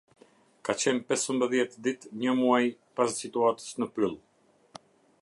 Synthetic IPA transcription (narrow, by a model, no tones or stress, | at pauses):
kat͡ɕɛnpɛsəmbəðjɛt̪d̪it̪ɲəmuajpassit̪uat̪ə̥snəpɾilˠ